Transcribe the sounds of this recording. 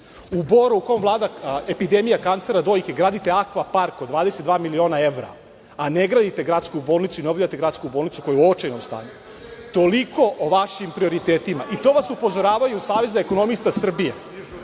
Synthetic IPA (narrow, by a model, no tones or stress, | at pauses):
ubo̞ɾuukoemvlˠaːd̪aepid̪emijakant̪seɾad̪o̞jkʲeɡɾaːd̪it̪e̞akʋapaɾkod̪ʋaːd̪esed̪vaːmilio̞ːnaeʋɾa̰ | aneɡɾaːd̪it̪e̞ɡɾat̪skubolnit̪suineobʎat̪eɡɾat̪skubolˠnit̪su̥ko̞jeuot͡ʃejnomst̪a̰ːɲu | t̪o̞liko̞ʔoʋaʃimpɾio̞ɾit̪eːt̪imaʔit̪o̞ːʋasupo̞zo̞ɾaːʋajuusaːʋe̞zaeko̞nomist̪asr̩bie